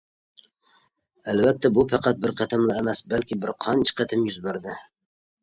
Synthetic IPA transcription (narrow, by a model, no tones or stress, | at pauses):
ælvɛt̪ʰːɛbupʰɑqɑt̪̚bɪɾqʰɑt̪ʰɨmlˠɑːmɛsbælkʲɪbɪɾqʰɑnt͡ʃʰqɑt̪ʰɪmjyzbæɾd̪ɪ